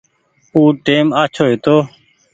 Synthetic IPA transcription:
uːʈeːmaːt͡ʃʰoːɦet̪oː

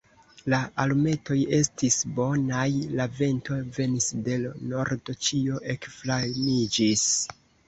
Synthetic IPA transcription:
laʔalme̞to̞je̞stisbo̞najlave̞nto̞ve̞nisde̞lno̞ɾdot͡ʃio̞ʔe̞kflanid͡ʒis

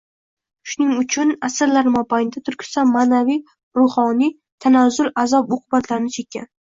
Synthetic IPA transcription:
ʃʊnɪŋʊt͡ʃʰʊnasɪɾlaɾmɒpajnd̪at̪ʰʊɾkʲʰʊ̥sanmaːnavij | ɾʊhɒnij | t̪ʰanazʊlazɒpoqʰʊbat̪ʰlaɾɪnɪt͡ʃʰe̞kʲʰːa̰n

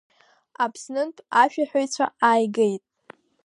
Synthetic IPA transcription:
apʰsnɨntʰʼaʃᶣaħʷᶣojt͡ɕʷʰaaːjɡejtʼ

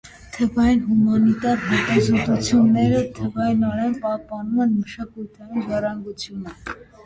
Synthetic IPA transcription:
t̪ʰɛvɑjinɦumɑnit̪ɑɾɦɛt̪ɑzɔt̪ut͡sʰjunːɛɾət̪ʰɛvɑjinɔɾɛnpɑhpɑnumɛnməʃɑkujt̪ʰɑjinʒɑrɑŋɡut͡sʰjunə

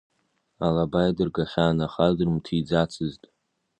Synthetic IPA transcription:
alabajadɨrɡaχʲaːnaχadɨrmtʰid͡zat͡sʰɨztʼ

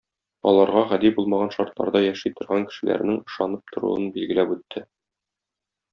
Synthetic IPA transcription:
ɒ̰lˠɑɾʁɑʁæd̪ibulˠmɑʁɑnʃɒɾt̪lˠɑ̰ɾd̪ɑjæʃit̪ŏɾʁɑŋkɘ̥̆ʃɘ̆læ̰ɾnɘŋɤ̆ʃɑnɤp̚t̪ʰŏɾṵɤnbilɡɘ̆læpʉt̪ʰːɘ

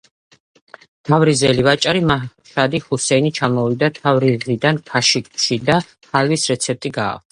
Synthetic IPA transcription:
t̪ʰavɾizɛlivat͡ʃʼaɾimaʃad̪ihusɛinit͡ʃʰamɔvid̪at̪ʰavɾizʁid̪ankʰaʃik̚ʼʃid̪a | halvisɾɛt̪sʰɛp̚t̪ʼiɡa̰ːk̪̚ʰa

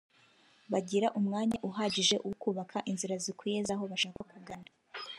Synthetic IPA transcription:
βaɟiɾaʔumŋaːɲaʔuɦaɟiʒe̞ʔuwukuːβakʰaʔinziɾazikʰujezaɦo̞βaʃaːkakaɡana

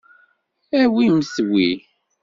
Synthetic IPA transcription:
æwiməswi

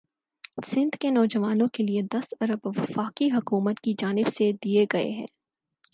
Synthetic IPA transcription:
sɪ̃nd̪kenɔːd͡ʒɐʋaːnõkelied̪ɐsɐɾəbʋɐfaːkiɦɐkuːmət̪kid͡ʒaːnɪbsed̪ieɡɐḛɦɛ̰̃ː

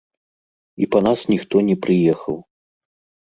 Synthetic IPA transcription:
ipɐnasnʲixt̪ɔnʲɛpɾɨjɛxɐw

